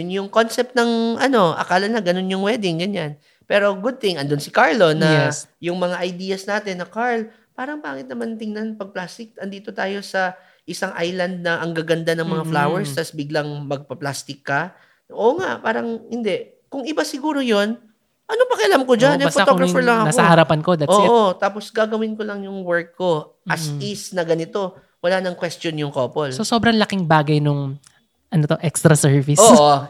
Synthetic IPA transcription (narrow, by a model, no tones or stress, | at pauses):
ʊnjʊŋko̞nsɛp̚t̪nɐŋʔɐno̞ʔɐ̰kaːlɐnɐɡɐno̞njʊŋwɛːd̪ɪŋɡɐɲan | pɛːɾo̞ɡʊd̪̚t̪ɪŋɐnd̪onsɪkaɹlo̞nɐjʊŋmɐŋaʔɐjd̪iːɐsnaːt̪ɪnːɐkaɹl | paːɾɐŋbaːkɪt̪nɐmant̪ɪŋnanpɐɡ̚plast̪ɪk̪̚ɐnd̪iːt̪o̞t̪aːjo̞sɐ | ʔɪsaŋʔajlɐnd̪̚nɐʔɐŋɡaɡɐnd̪anɐŋmɐŋaflawɛɹst̪ɐsbɪɡlɐŋmɐɡ̚pɐplaːst̪ɪkːɐ | ʔoŋaʔpaːɾɐŋhɪnd̪ɛʔ | kʊŋɪbasɪɡuːɾo̞jon | ʔɐnopɐkɐʔɐlamkod͡ʒanɛfɔtɡɾɐfɛɹlɐŋɐnakoahɐɾɐpɐnko̞d̪ɐtʔʔot̪aːpo̞sɡaɡɐwɪnkolɐŋjʊŋwɛɹkːo̞ | ʔɐisnɐɡɐnɪt̪o̞ | wɐlaːnɐŋkwɛst̪onjʊŋkoːpolssosobɾɐŋlɐkɪŋbaːɡɐjnʊŋ | ʔɐnot̪oʔɛkst̪ɾɐsɛɹvɪsoːʔo